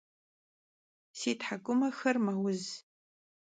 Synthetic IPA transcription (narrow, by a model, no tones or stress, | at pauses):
seːtħakʷʼʊmɐxɐrmɐwʊz